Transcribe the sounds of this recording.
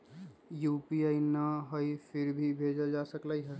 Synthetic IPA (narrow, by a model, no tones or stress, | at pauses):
jupiainəɦəjpʰɪɾbʱibʱed͡ʒəld͡ʒasəkləjɦə